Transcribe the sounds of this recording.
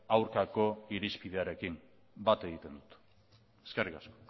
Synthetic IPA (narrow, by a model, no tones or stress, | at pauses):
awɾkako̞iɾispiðe̞aɾe̞kim | bat̪e̞ɣ̞it̪e̞nd̪ut̪ | e̞skerikasko̥